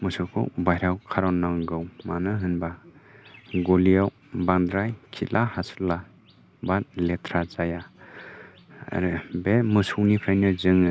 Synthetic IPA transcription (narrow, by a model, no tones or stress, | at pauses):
mɯsɯkʰɯ̰wbajɾawkʰaɾɔnːaŋɡɯwmanɯɦɯnba | ɡolijaw | band̪ɾajkʰilʔahasɯ̥la | bat̚letʰɾazaja | ɾbemɯsuwnipʰɾajnɯzɯŋ